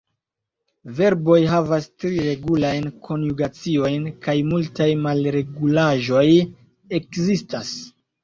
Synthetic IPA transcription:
ve̞ɾbo̞jɦavastɾiɾe̞ɡulajnkʰo̞njuɡat͡sio̞jnkajmultajmalɾe̞ɡulaʒo̞j | e̞kzistas

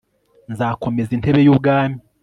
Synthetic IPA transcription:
nzaːko̞mezinte̞βe̞juːbɡaːmi

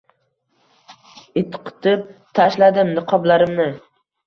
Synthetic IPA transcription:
ɪt̪ʰqʰɨ̥t̪ʰɪp̚t̪ʰaʃlad̪ɪmnɪqʰɒblaɾɪmnɪ

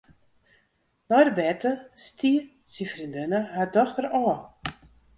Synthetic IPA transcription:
nɔjdəbɛrtəstiə | sifrindɪnəhadɔxtəɾɔə

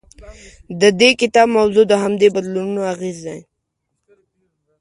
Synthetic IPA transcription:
d̪əd̪ekɪt̪ɑbmawzud̪əɦamd̪ebad̪lununoaɣezd̪ej

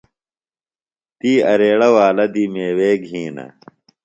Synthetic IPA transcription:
t̪iːɐɾeːɽɐwaːlɐd̪iːmeːweːɡʱɦĩːnɐ̰

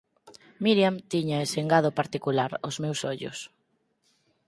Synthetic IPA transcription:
miɾjamt̪iɲaeseŋɡaðopaɾt̪ikulaɾʊzmewsɔʎʊ̰s

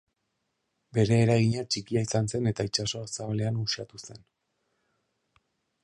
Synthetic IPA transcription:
be̞ɾe̞ːɾaɣiɲat͡ʃikiaisanse̞ne̞t̪ait͡ʃaso̞saβale̞anuʃat̪use̞n

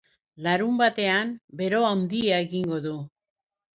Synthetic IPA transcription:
laɾumbat̪e̞ambe̞ɾo̞awnd̪iaeɣiŋɡo̞ðu

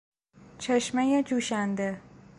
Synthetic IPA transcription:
t͡ʃʰeʃmejed͡ʒuːʃænd̪e

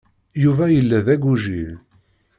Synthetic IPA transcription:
juvæjəlːæðæɡuʒil

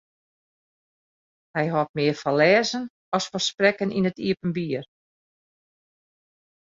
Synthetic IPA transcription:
hɛjɦɔt̚mɪərfɔlɛːzən | ɔsfərsprɛkənʔḭnətiəpənbiər

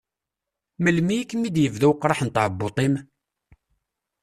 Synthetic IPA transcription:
məlmikːmid̪jəvðuwqːɾˤɑħnt̪ʕəbːot̪ˤim

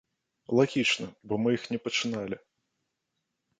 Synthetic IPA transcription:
lˠaɣʲit͡ʂnɐbɔmɨjixnʲɛpɐt͡ʂɨnalʲi

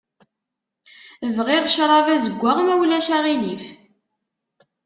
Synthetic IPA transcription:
əvʁiʁʃɾˤɑvæzəɡʷːaʁnæwlæʃæʁilif

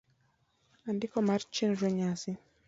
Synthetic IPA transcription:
andikɔmaɾt͡ʃinɾɛɲasi

